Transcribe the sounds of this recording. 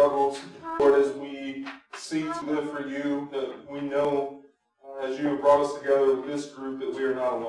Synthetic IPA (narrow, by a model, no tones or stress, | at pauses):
ʌɡl̩ˠz̥wʌɾɨzwisitʰəlɪv̥fə˞jʉðɨwinoʊ | ɨzjɨɨvbɹɔɾʌstʰɨɡɛðə̃˞nðɪsɡ̥ɹʉp̚ðɨt̚wiə˞nəɾəl̃